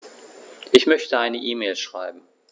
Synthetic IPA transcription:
ʔɪçmœçtəaɪnəʔiːmeːlʃʁ̥a̰ɪbm̩

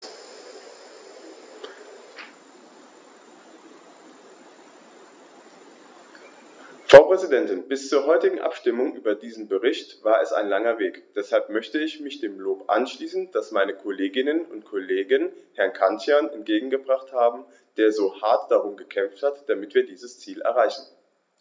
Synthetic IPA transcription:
fʁ̥aʊpʁ̥ɛzidɛntɪnbɪst͡suːɐɦɔʏtɪɡŋ̩ʔa̰pʃtɪmʊŋʔyːbɐdiːzn̩bəʁɪçtv̥aːɐɛsa̰ɪnlaŋɐveːkd̥ɛshalpmœçtəɪçmɪçd̥eːmloːpʔa̰nʃliːsn̩d̥asmaɪnəkʰɔleːɡɪnənʊntkʰɔleːɡənhɛɐnkʰantjanɛnt̚ɡ̥eːɡŋ̩ɡəbʁaχthaːbm̩ | d̥eːɐzoːhaɐtd̥aʁʊnɡəkʰɛmfthatd̥amɪtv̥iːɐdiːzəst͡siːlʔɛ̰ɐʁaɪçn̩

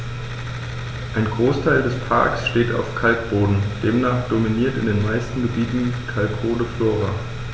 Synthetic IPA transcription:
ʔaɪnɡʁoːstʰaɪldɛspʰa̰ɐksʃteːta̰ʊfkʰalk̚b̥oːdn̩d̥eːmnaːχd̥ominiːɐtɪ̰ndeːnmaɪstn̩ɡəbiːtn̩ikʰalkʰoːdəfloːʁa

